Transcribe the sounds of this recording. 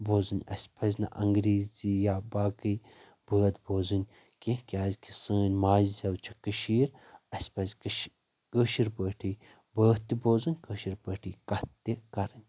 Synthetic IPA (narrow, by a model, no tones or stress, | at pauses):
boːzɨnʲɐ̰sʲpʰɐzʲnɐ̰ʔɐŋɡɾiːzijaːbaːkɨj | bəːd̪boːzɨnʲ | kʲikʲaːzʲkisɨːnʲmaːzzʲɐwt͡ʃʰɐ̥kɨʃiːɾ | ɐsʲpɐzʲkʃ | kəːʃiɾpəːʈʰiː | bəːht̪iboːzɨnʲkəːʃiɾpəːʈʰiːkɐt̪ːikɐɾɨnʲ